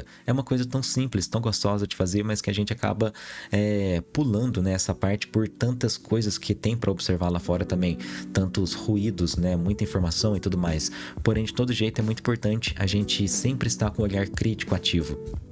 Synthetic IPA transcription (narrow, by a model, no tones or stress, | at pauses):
ɛũmɐkojzɐt̪ɐ̃w̃sĩplɪst̪ɐ̃w̃ɡost̪ɔzɐd͡ʒɪfazeɾmɐskɪaʒẽnt͡ʃɪaka̰bɐɛpulɐ̃nd̪ʊnɛɛsɐpaɾt͡ʃɪ̥poɾt̪ɐ̃nt̪ɐskʰojzɐskʰɪt̪ẽj̃pɾʔɐobɪseɾvaɾlafɔɾɐt̪ɐ̃mbẽj̃t̪ɐ̃nt̪ʊshuid̪ʊsnɛmũj̃t̪ɐĩfoɾmasɐ̃w̃ɪt̪ud̪ʊmajspoɾẽj̃d͡ʒɪt̪od̪ʊʒejt̪ʊɛmũjt̪ĩpoɾt̪ɐ̃nt͡ʃɪ̥ʔa̰ʒẽnt͡ʃɪsẽmpɾɪːst̪akõoʎaɾkɾit͡ʃi̥kʊat͡ʃivʊ